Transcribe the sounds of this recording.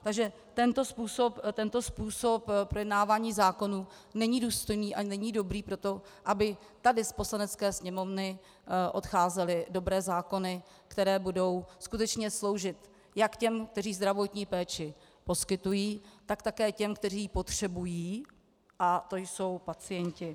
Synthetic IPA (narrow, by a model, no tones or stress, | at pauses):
t̪aɡʒɛ | t̪ɛnt̪o̞spuːso̞pt̪ɛnt̪o̞spuːso̞ppːɾo̞jɛdnaːvaːɲiːzaːko̞nuː | nɛɲiduːst̪o̞jniːʔanɛɲido̞bɾiːpɾo̞t̪o̞ʔabɪ | t̪adɪspo̞slanɛt͡skɛːsɲɛmo̞vnɪ | ʔo̞t̪xaːzɛlɪdo̞bɾɛːzaːko̞nɪ | kt̪ɛɾɛːbudo̞wskut̪ɛt͡ʃɲɛslowʒɪt̪ | jakcɛmk̚t̪ɛr̝iːzd̪ɾavo̞t̪ɲiːpɛːt͡ʃɪ | po̞skɪt̪ujiːt̪akt̪akɛːcɛmkt̪ɛriːpo̞t̪r̥ɛbujiː | ʔat̪o̞jso̞wpat͡sɪjɛɲcɪ